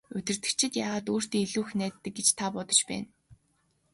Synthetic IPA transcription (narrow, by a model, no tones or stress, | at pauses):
ɵt̪ʲɪ̆r̥t̪ɘ̆kt͡ɕʰɪ̆t̪jaːʁaːt̪oːr̥t̪iːŋiɮuːxnæːt̪ːɘ̆k̚ɡet͡ɕt̪ʰapɔt̪ɞ̥̆t͡ɕpæ̰ːn